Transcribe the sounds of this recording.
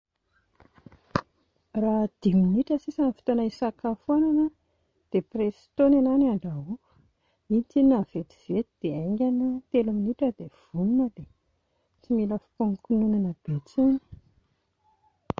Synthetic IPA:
rad̪̥iminiʈ͡ʂəsisanəfi̥t̪onaisakafuananə | d̪̥epresi̥t̪onenanaɳɖ͡ʐaɦuu̥ | init͡sininav̥et̪i̥v̥et̪id̪̥eajŋɡʲanət̪elaminiʈ͡ʂəd̪ev̥ununəd̪e | t͡similəfi̥poŋkununanəb̥et͡sini̥

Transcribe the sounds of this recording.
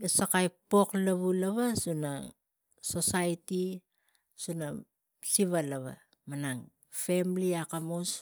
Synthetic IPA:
esakajpo̞klaβulaβasuna̰ | so̞sajti | suna | siβalaβa̰ | manaŋ | femliakamos

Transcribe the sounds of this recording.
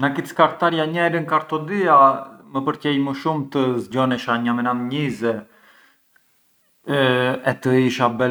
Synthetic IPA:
nakit̪skaɾt̪aɾjaɲɛɾəŋkaɾt̪ɔd̪iaməpəɾcɛjməʃumt̪əzɟɔnɛʃaɲamɛnamɲizɛ | ɛt̪əiʃabɛ

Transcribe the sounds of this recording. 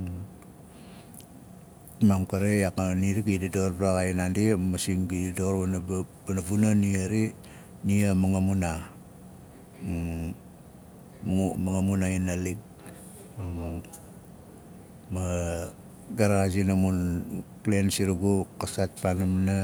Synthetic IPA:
mamkaɾeakaniɾiɡididoɾbɾaɡainandimasiŋɡididoɾbanabbanavunaniaɾi | niamaŋamuna | umaŋamunainalik̚ | ma | ɡaɾaazinamunklensiɾuɡukasat̚panamna

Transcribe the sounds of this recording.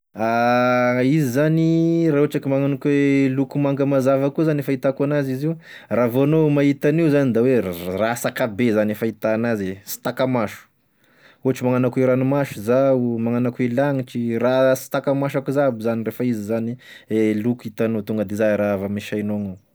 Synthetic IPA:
a | izizanirauʈ͡ʂakimaŋanakwelukumaŋɡəmazavakuzanefait̪akuanaziziu | ravonomaɦit̪aniuzanid̪awerasakabezanefait̪anazesi̥t̪akamaʃu̥ | uaʈ͡ʂimaŋanakeɾanumaʃuzaumaŋanakuilaŋiʈ͡ʂirasi̥t̪akamaʃakuzabizanirefəizizanielukit̪anot̪uŋɡəd̪ezaɾavamiʃajnono

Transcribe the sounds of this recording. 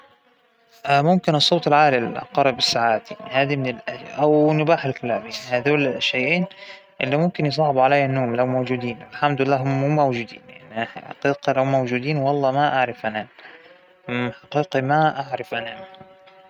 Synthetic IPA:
ʔamʊmkɪnɨsˤːoːt̪ˤɪlʕaːlil̰qɑɾˤbɪsːaʕaːt̪ḭnhaːd̪imɪnɪlʔaʔawnʊbaːħɪlkalaːbjanihaːd̪oːlʃːajʔeːn | ʔɪlːimʊmkɪnjs̬ˤɑːʕbuʕalajːanːoːmlawmowd͡ʒuːd̪iːnʔɪlħamd̪ʊɪlːaːɦʊmːuːmowd͡ʒuːd̪ḭːnja̰ʕniħa̰qiːqɑlaʊmːowd͡ʒuːd̪iːnwɑlˤːɑːmaʔaʕɾɪfʔana | ħaqiːqimaʔaʕɾɪfʔana

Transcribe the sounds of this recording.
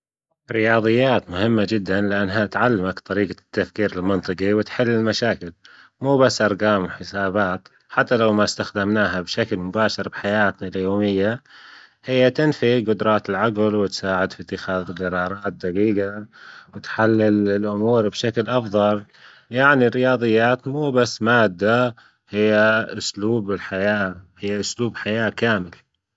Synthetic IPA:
ɾɪjɑːðˤɨjːaːt̪mʊhɪmːad͡ʒɪd̪ːanlɪʔanːɦat̪ʕalːamakt̪ˤɑɾiːɡat̪ːafkiːɾɪlmɪnt̪ˤɨqiwɪt̪ħɪlːɪlmaʃaːkɪl | muːbasːʔɑɾˤɡɑːmwɪħɪsaːbaːt̪ | ħat̪ːalawmast̪axd̪amnaːɦabʃaklmʊbaːʃɑɾˤbɪħajaːt̪naljoːmɪjːa | hɪjːat̪ɪnfiɡʊd̪ɾˤɑːt̪ɪlʕaɡlwɪt̪saːʕɪd̪fit̪ːɪxaːðɡɑɾˤɑːɾˤɑːt̪̚d̪ɑɡiːɡawɪt̪ħalːɪlɪlʔʊmuːɾbʃaklʔɑfðˤɑl | jaʕnirːɪjɑːðˤɨjːaːt̪muːbasːmaːd̪ːa | hɪjːaʔʊsluːbɪlħajaːhɪjːaʔʊsluːbħajaːkaːmɪl

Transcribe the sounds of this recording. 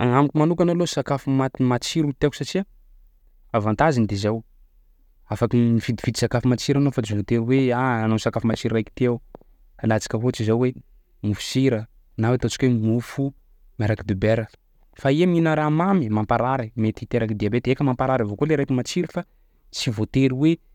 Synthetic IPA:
aŋamikʲumanukanalosakafumaimat͡siɾut̪eku̥sat͡ʃia | avant̪azind̪ezaw | afakimivid̪ifid̪isakafumat͡ʃiɾanofad͡ʒnot̪eweaanosakafumat͡ʃiɾajki̥t̪ew | anat͡si̥kʲəɦot͡ʃizawwe | mufu̥siɾə | nawet̪ot͡ʃi̥kʲwemufu | maɾakid̪ubeɾə | faiaminəɾamamimampaɾaɾimet̪it̪eɾakid̪iabet̪ekəmampaɾaɾavokoleɾajkimat͡ʃiɾifa | t͡sivot̪eɾiwe

